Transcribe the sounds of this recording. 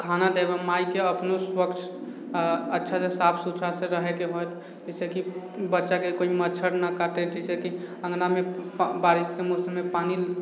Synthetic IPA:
kʰanad̪ebemajikeəpnoswəkt͡ʃʰ | ətːʃʰasesapʰsut̪ʰɾaseɾəɦɛkeɦojt̪ | d͡ʒɛseki | bətːʃakekoimət͡ʃʰəɾnakaʈed͡ʒɛsekiə̃ŋɡnamebaɾiskemɔsəmːepani

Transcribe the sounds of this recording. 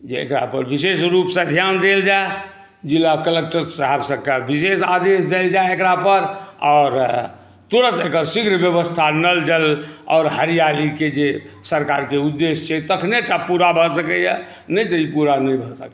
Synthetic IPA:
d͡ʒeḛkɾa̰pəɾbisesɾupsə̃d̪ʱjaːnd̪eld͡ʒae | d͡ʒilakəlek̚ʈəɾsəɦabsəkabisesad̪esd̪eld͡ʒaeekɾapəɾɔːɾ | t̪uɾə̃t̪ekəɾsiɡɾbjəbəst̪ʰanəld͡ʒəlɔ̰ːɾɦəɾijaliked͡ʒe | səɾkaːɾkeud̪ːest͡ʃʰɛt̪əkʰneʈapuɾabʱəsəkəja | nəĩt̪əipuɾanəĩbʱəsəkɛ

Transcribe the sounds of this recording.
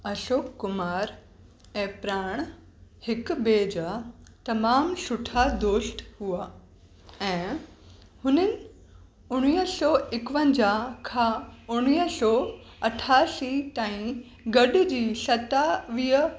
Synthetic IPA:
ɐsoːkːʊmaːɾ | ɛ̃ːpɾaːɽ̃ | hɪkbeːd͡ʑaːt̪ɐmaːmsʊʈʰad̪oːsʈhuaː | ɛ̃ː | hʊnənɪ̆ | ʊɽ̃iːɦsɔːɪkʋə̃ɲd͡ʑakʰãːʊɽ̃iːɦsɔː | ɐʈʰaːsit̪aːĩ | ɡɐɗ̆d͡ʑiːsɐt̪aʋiːɦə

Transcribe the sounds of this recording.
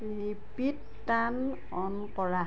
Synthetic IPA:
i | pitːan | ɔnkɔɹa

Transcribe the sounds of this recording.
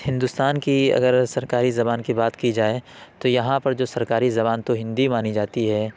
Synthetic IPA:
hɪ̃nd̪ust̪aːnkiɐ̰ɡəɾsɐɾkaːɾizɐbaːnkibaːt̪kid͡ʒaːet̪ojɐɦãpɐɾd͡ʒoːsɐɾkaːɾizɐbaːnt̪oɦɪ̃nd̪imaːnid͡ʒaːt̪iɦɛː

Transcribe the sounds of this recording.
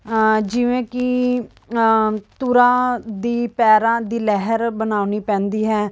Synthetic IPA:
d͡ʒɪʋẽːkɪ | t̪uɾãːd̪iːpɛːɾãːd̪iːlɛɦəɾbənaːʊniːpɛ̃ːnd̪iːɦɛː

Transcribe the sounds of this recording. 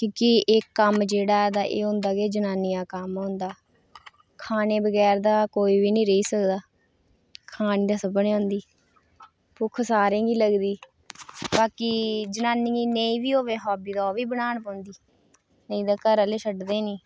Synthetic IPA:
kjõːkiɪkːəmd͡ʒeːɽaːɛːd̪aːʔḛːõːnd̪aːɡeːd͡ʒənaːniːaːkəmɦõːnd̪aː | kʰaːneːbəɡɛːɾd̪aːkoːiːbiːnĩːɾəiːsəkd̪aː | kʰaːniːd̪aːsəbənːãːnd̪iː | pʊːkʰəsaːɾẽːɡiːləɡd̪iː | baːkiːd͡ʒənaːniːɡiːneĩːʋiːoːʋeːɦɔːbiːd̪aːoːʋiːbənaːɳpãːnd̪iː | nəĩːd̪aːkəɾəleːsʰəɖd̪eːnĩː

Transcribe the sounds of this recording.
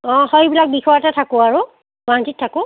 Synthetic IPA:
ɔ̃hojbilak̚bixɔjatatʰakʊaɹʊ | ɡantitʰːakʊ

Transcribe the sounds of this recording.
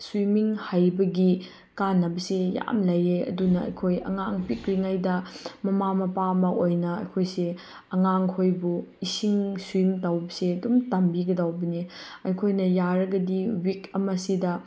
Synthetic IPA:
swimiŋhajbɐɡi | kanːɐbɐseja̰mlɐjeɐ̰dunɐɐ̰jkʰojɐ̰ŋaŋpikɾiŋajdɐmɐmamɐpamɐʔojnɐɐ̰jkʰojse | ɐŋaŋkʰojbuisiŋswimtawbɐseɐdumtambiɡɐdawbɐni | ɐjkʰojnɐjaɾɐɡɐdiwikɐmɐsidɐ

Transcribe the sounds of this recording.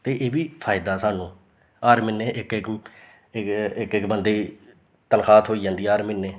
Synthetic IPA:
t̪eːʔeːʋiːpʰaːjɪd̪aːsaːnũː | aːɾmɪnːeːʔɪkɪk | ɪkɪkbənd̪eː | t̪ənxaːt̪ʰɦoːiːd͡ʒãːnd̪iːaːɾminːeː

